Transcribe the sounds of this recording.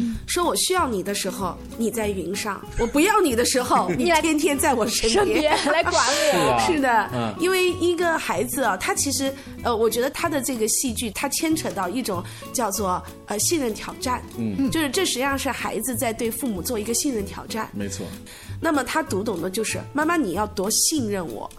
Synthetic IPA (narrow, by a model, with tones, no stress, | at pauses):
ʂwɔ˥wɔ˨˩ɕy˥jɑ˥˩ʊni˨˩d̪ə˦ʂɻ̩˧˥xo˧ʊ | ni˨˩t͡sa˥˩ɪi˧˥ŋʂɑ̰˥˩ŋwɔ˨˩pu˧˥jɑ˥˩ʊni˨˩d̪ə˦ʂɻ̩˧˥xo˥˧ʊni˨tʰjɛ˥nt̪ʰjɛ˥nt͡sa˥˩ɪwɔ˨˩ʂə˥n˥jɛ˥ɛ˥a˧ɪwa˨˦ʂɻ̩˥˩d̪ə˩i˥nwe˥˩ɪi˧˥ɡə˧xa˧˥ɪd͡zɹ̩˧ɐ˩t̪ʰa˥t͡ɕʰi˧˥ʂɻ̩˧˥ | ə˧wɔ˨˩t͡ɕɥɛ˧˥d̪ə˧t̪ʰa˥d̪ə˨ʈ͡ʂɤ˥˩ɡə˩ɕi˥˧t͡ɕy˥˩t̪ʰa˥t͡ɕʰjɛ˥nʈ͡ʂʰɤ˧˥t̪ɑ˥˧ʊi˥˩ʈ͡ʂʊ˨˩˦ŋ | t͡ɕjɑ˥˧ʊt͡swɔ˥˩ | ə˧ɕi˥˧ŋɻə˥˩nt̪ʰjɑ˨˩ʊʈ͡ʂa˥˩nt͡ɕjo˥˧ʊʂɻ̩˥˧ʈ͡ʂɤ˥˩ʂɻ̩˧˥jɑ˥˧ŋʂɻ̩˥˩xa˧˥ɪd͡zɹ̩˧t͡sa˥˧ɪt̪we˥˧ɪfu˥˩mu˨˩t͡swɔ˥˩i˧˥ɡə˧ɕi˥˧nɻə˥˩nt̪ʰjɑ̰˨˩ʊʈ͡ʂa̰˥˩nme˧ɪt͡sʰwɔ̰˥˩ | na˥˩mə˩t̪ʰa˥t̪u˧˥t̪ʊ˨˩ŋd̪ə˦t͡ɕjo˥˧ʊʂɻ̩˥˩ma˥˧nma˥˩ni˨˩jɑ˥˩ʊt̪wɔ˧˥ɕi˥˧ŋɻə˥˩nwɔ̰˨˩˦